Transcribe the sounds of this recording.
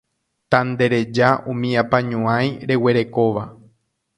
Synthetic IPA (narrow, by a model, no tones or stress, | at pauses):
t̪and̪e̞ɾe̞d͡ʒaũmĩãpãɲũãjɾe̞we̞ɾe̞ko̞ʋa